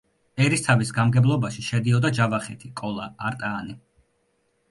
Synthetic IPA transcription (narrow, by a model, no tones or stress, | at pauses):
ɛɾist̪ʰavisɡamɡɛblˠɔbaʃiʃɛd̪iɔd̪ad͡ʒavaχɛt̪ʰikʼɔlˠaːɾt̪ʼaːni